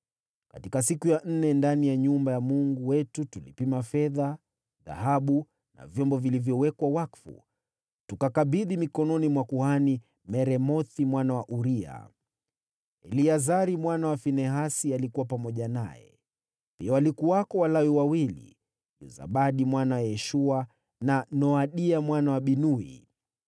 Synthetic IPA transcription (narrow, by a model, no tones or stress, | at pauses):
katikasikujan̩nɛndanijaɲumbajamuŋɡuwɛtutulipimafɛða | ða̰ɦaɓu | na̰vjɔmbɔvilivjɔwɛkwawakfṵ | tukakaɓiðimikɔnɔnimwakuhani | mɛɾɛmɔθimwanawaʔuɾia̰ | ɛliazaɾimwanawafinɛɦasialikuwapamɔʄanajɛ̰ | piawalikuwakɔwalawiwawilḭ | ʄṵza̰ɓaɗimwanawajɛʃua | nanɔaɗiamwanawaɓinuḭ